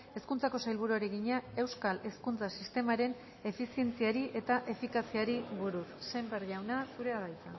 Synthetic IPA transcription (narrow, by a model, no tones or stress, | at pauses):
e̞skunt͡sako̞sajlβ̞uɾuaɾeɣiɲae̞wskale̞skunt͡sasist̪e̞maɾe̞n | e̞fisie̞nt͡siaɾiʔe̞t̪aʔe̞fikasiaɾiβuɾusːembeɾʎawnasuɾe̞aðajt͡s̪a̰